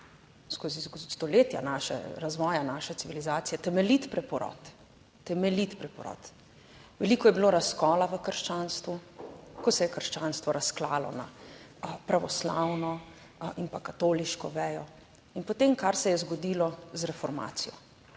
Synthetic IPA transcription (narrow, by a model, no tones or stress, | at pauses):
skozist̪ɔleːt̪ja̰naʃɛ̰ɾazʋɔːjanaːʃɛt̪siʋilizaːt̪sijɛt̪ɛmɛlit̪pɾɛpɔɾɔ̰t̪ː | ɛmɛlit̪pɾɛpɔɾɔ̰t̪ | ʋɛlikɔjɛbiloːɾaskɔːlaʋəkəɾʃt͡ʃaːnst̪ʋukɔsɛjɛkəɾʃt͡ʃaːnst̪ʋɔɾaskla̰ːlɔ̰na̰ | pɾaʋɔsla̰wnɔ | inpakat̪oːliʃkɔʋɛːjɔ | inpot̪emkaɾsɛjɛzɡɔd̪iːlɔzɾɛfɔɾma̰ːt̪sijɔ̰